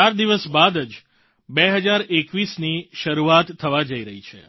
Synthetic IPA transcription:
aɾd̪iʋəsbad̪əd͡ʒ | beɦəd͡ʒaɾekʋisniʃəɾuat̪ʰːəʋad͡ʒəiɾəɦit͡ʃʰḛ

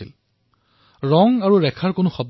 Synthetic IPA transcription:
ḭl | ɹɔŋaɹuɹɛkʰaɹkʊnʊxɔb

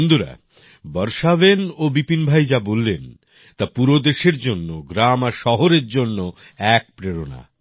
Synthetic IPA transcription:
nd̪uɾa̰ | bɔɾʃabenobipinbʱajd͡ʑabolːen | t̪apuɾod̪eʃeɾd͡ʑonːoɡɾamaɾʃɔɦoɾeɾd͡ʑonːo | ɛk̚pɾeɾona̰

